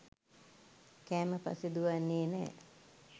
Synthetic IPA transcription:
kɛːməpa̰sid̪uʋanːeːnɛ̰ː

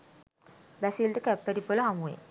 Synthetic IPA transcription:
bæsilʈəkæpːæʈipoləɦamuḛ

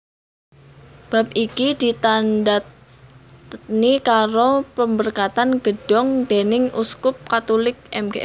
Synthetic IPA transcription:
b̥a̤p̚ʔikid̪̥it̪andat̪ | nikaɾopəmbərkat̪anɡ̥əɖ̥ɔŋd̪̥enɪŋʔuskʊp̚kat̪olɪk̚ɛmɡeʔ

